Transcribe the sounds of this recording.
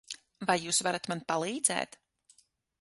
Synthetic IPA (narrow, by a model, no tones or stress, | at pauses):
vajːuːsvaɾat̪manpalˠiːd̪zɛ̰ːt̪